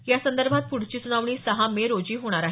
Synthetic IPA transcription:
jasənd̪əɾbʱat̪̚puɽ̤t͡ɕiːt͡suɽaʋɳ̃iːsəɦameɾod͡ʑiːɦoɽ̃aɾaɦe

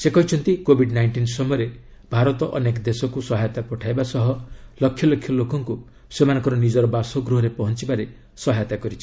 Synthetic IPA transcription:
sekɔɦit͡ʃʰɔnt̪ikobʱiɖnajɳʈinsɔmɔjɔɾe | bʱaɾɔt̪ɔʔɔnekɔd̪esɔkusɔɦajt̪apɔʈʰajbasɔɦɔlɔkʰjɔlɔkʰjɔlokɔŋku | semanɔ̃ŋkɔɾɔnid͡ʒɔɾɔbasɔɡɾuɦɔɾepɔɦɔnt͡ʃibaɾe | sɔɦajt̪akɔɾit͡ʃʰi̥

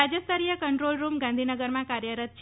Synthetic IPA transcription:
ad͡ʒəst̪əɾijəkəɳʈɾolɾumɡãnd̪ʱinəɡəɾmãkaɾjəɾət̪̚t͡ʃʰ

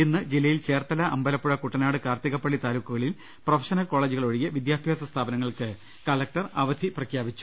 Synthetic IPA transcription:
enːɨd͡ʑilːɐjilt͡ɕe̞ːrt̪ɐlɐʔɐmbɐlɐpːuɻɐkuʈːɐnaːɽɨkaːrt̪iɣɐpːɐɭːit̪aːlukːuɣɐɭil | profʰɐ̥ʂɐnɐlko̞ːɭeːd͡ʑuɣɐɭoɻijɐʋid̪jaːbʰʱjaːsɐst̪ʰaːbɐnɐŋːɐɭkɨ | kɐlɐk̚ʈɐrɐ̰ʋɐd̪ʱiprɐkʰjaːbit͡ɕːu̥

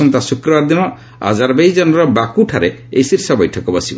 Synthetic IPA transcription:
ɔnt̪asukɾɔbaɾd̪inɔ | a̰d͡ʒaɾbejd͡ʒɔnɔɾɔbakuʈʰaɾeḛjsiɾsɔbɔjʈʰɔkɔbɔsibɔ

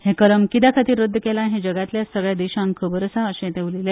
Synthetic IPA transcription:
hẽkəɾəmkit̪akʰat̪iːɾəd̪ʱːəkelãɦẽd͡ʑəɡɭat̪ljasəɡɭjad̪iɕãŋkʰəbəɾəsaəɕẽt̪eʋlile

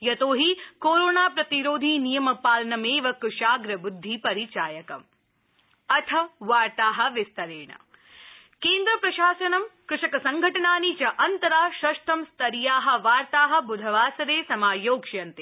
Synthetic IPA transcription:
jɐt̪oːɦikoːɾoːnaːpɾɐt̪iɾoːd̪ʱiːnijɐmɐpaːlɐnɐmeːʋɐkʃaːɡɾɐbud̪ʱːipɐɾit͡ʃaːjɐkɐm | ɐt̪ʰɐʋaːɾt̪aːɦɐ̆ʋɪst̪ɐɾeːɳɐ̰ | keːnd̪ɾɐpɾɐʃaːsɐnɐmkɾɪʂɐkɐsɐŋɡʱɐʈɐnaːnit͡ʃɐʔɐnt̪ɐɾaːʃɐʃʈ̪ʰɐmst̪ɐɾijaːɦɐ̆ʋaːɾt̪aːɦɐ̆bud̪ʱɐʋaːsɐɾeːsɐmaːjoːkʃjɐnt̪e

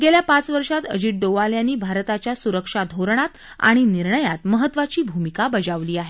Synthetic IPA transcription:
ɡeljapat͡sʋəɾʂat̪ə̰d͡ʑiʈ̚ɖoʋaljanːiːbʱaɾt̪at͡ɕjasuɾəkʂad̪ʱoɾɳ̃at̪ | a̰ɽ̃iniɾɳəjat̪məɦət̪ːʋat͡ɕiːbʱumikabəd͡ʑaʋliːaɦe

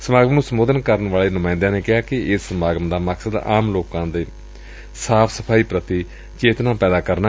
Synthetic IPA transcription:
səmaːɡəmnũːsəmoːd̪ənkəɾənʋaːleːnʊmãːɪnd̪ãːneːkɪɦaːkɪɪsːəmaːɡəmd̪aːməksəd̪a̰ːmloːkãːd̪eː | saːpʰsəpʰaːiːpɾət̪iː | t͡ʃeːt̪nãːpɛːd̪aːkəɾna

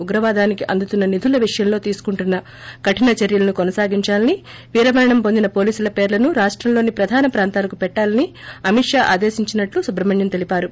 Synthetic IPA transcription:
uɡɾɐʋaːd̪aːnikiʔɐnd̪ut̪unːɐnid̪ʱulɐʋiʂɐjɐmlo̞ːt̪iːsu̥kuɳʈunːɐ | kɐʈinɐt͡ʃeɾjɐlɐnukonɐsaːɡiɲt͡ʃaːlɐni | ʋiːɾɐʋɐɾɐɳɐmpo̞nd̪inɐpo̞ːliːsulɐpeːɾlɐnuɾaːʂʈɾɐmloːnipɾɐd̪ʱaːnɐpɾaːnt̪aːlɐkupɛʈːaːlɐniɐmiʈʂaːʔa̰ːd̪eːsiɲt͡ʃinɐʈlusubɾɐbʱɐɲjɐnt̪e̞lipaːɾu

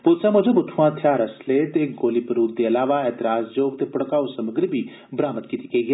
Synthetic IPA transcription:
poːt̪samʊd͡ʒebʊt̪ʰːuãt̪ʰjaːɾɐslet̪eɡoːlipəɾuːɡ̚d̪eɐlaːʋaɛːt̪ɪɾaːsd͡ʒoːɡt̪epɐɽkaːosɐməɡɾibʱi | bɾaːmət̪kit̪ikɐiɡe

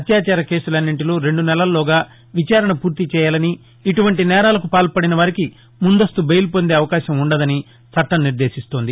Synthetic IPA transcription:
ɐt̪jaːt͡ʃaːɾɐke̞ːsulɐnːiɳʈiloːɾe̞ɳɖunɛlɐllɔːɡaː | ʋit͡ʃaːɾɐɳɐpuːɾt̪it͡ʃɛːjaːlɐniː | ʈuʋɐɳʈinɛːɾaːlɐkupaːlpɐɽinɐʋaːɾiki | mund̪ɐst̪ubejlupo̞nd̪e̞ːɐʋɐkaːʃɐmuɳɖɐd̪ɐni | t͡ʃɐʈːɐmnːiɾd̪e̞ːʃist̪o̞ːnd̪i

